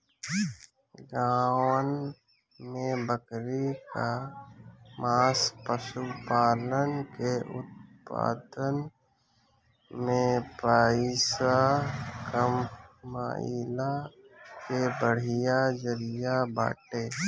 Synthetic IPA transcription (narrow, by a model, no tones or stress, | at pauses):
ɡaːwən | mẽbəkɾika | maːspəʃupaːlənkeʔʊ̰t̪̚pa̰ːd̪ən | mẽpaːɪsakəmːa̰ːḭlakebəɽ̤ɪjad͡ʒəɾɪjaba̰ːʈeː